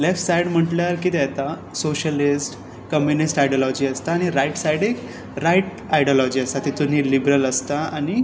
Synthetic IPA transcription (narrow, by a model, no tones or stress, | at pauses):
lefʈsajɽm̤əʈljaɾkiːt̪ɛt̪a | soɕəlisʈ | kəmjunisʈajɖjɔlɔd͡ʑiːəst̪aːñiɾajʈsajɽek | ɾajʈ | ajɖjɔlɔd͡ʑiːəst̪at̪it̪uniːlibɾələst̪aañi